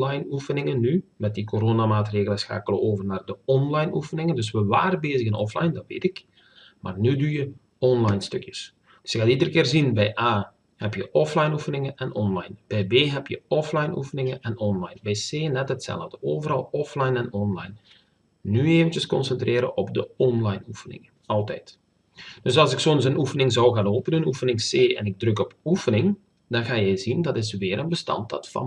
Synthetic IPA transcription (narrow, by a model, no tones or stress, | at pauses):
lɑjnufənɪŋənːymɛt̚dikoɾoːnamaːtreːɣələsxa̰ːkələoːvərnaːrdəɔnlɑjnufənɪŋəndɵs̬ʋəʋaːɾəbeːzəɣənɔflɑ̰jndɑtʋḛːtɪk | maːrnydujə | ɔnlɑjnstɵkjəs | dsjəxaːtidərəkɪːrzinbɛjʔaː | hɛpjəʔɔflɑjnufənɪŋənʔɛnʔɔnlɑjnb̥ɛjbeːɦɛpjəɔflɑjnṵfənɪŋəʔɛnɔnlɑjnbɛjseːnɛtɦətsɛ̰lˠəvdəoːvəɾɑlˠɔflɑjnɛnɔnlɑ̰jnː | yeːvəntjəskɔnsɛntreːɾəʔɔbdəɔnlɑjnufənɪ̰ŋə | ɑlˠtɛ̰jt | d̥ɵsɑlˠsɪksoənsənufənɪŋzɑwɣaːnoːpənənufənɪŋseːɛ̰nɪɡ̚drɵkɔpufənɪŋ | dɑnɣaːjɛjzindɑtɪsʋɪːɾənbəstɑ̰ntdɑ̰tfɑ̰